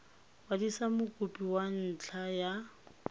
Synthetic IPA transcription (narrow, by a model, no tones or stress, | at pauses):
wadisamʊkʼʊpʼiwan̩t͡ɬʰaja